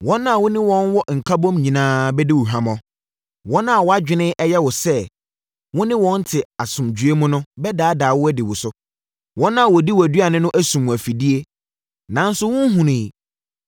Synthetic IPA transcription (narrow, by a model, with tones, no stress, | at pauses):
wɔ̃˦nã˦˨wʊ̃˦nɪ̃˦wɔ̃˦nwɔ˦ŋ̩˨kʰa˦bɔ̃˦mɲĩ˨nãː˦bɛ˦di˦wʊ˨ɦã˨mɔ̃˨ | wɔ̃˦nã˦a˨wɔ˨a˦d͡ʑᶣɪ˨nɪ̃˦ʔɛ˦jɛ˦wɔ˨sɛ˦ | wʊ̃˦nɪ̃˦wɔ̃˦n̩˦tʰɪ˨a˨sʊ̃˨md͡ʑɥe˦mũ˦nʊ̃˦bɛ˦daː˨˦daː˨wʊ˦æ˦dɪ˨wʊ˨sʊ˦ | wʔɔ̃˦nã˦˨wɔ˨di˦wɔ˨æ˨dɥa˨nɪ̃˦nʊ̃˦ʔæ˦sũ˨m̃˨æ˨fi˨di˦e˦ | nã˨n̩˦sʊ˦wʊ̃˦n˦ɦũ˨nɪ̃ː˨